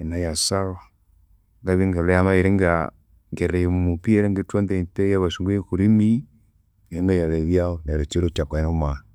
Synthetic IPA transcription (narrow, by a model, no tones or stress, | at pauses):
enajasaɣa | ŋɡaβiŋɡalejamaeɾeŋɡa | ŋɡeɾemupieɾeŋɡetwondentejaβasuŋɡeekuɾimi | eɾeŋajaɾeβjaonɾet͡ʃeɾot͡ʃakɛnoma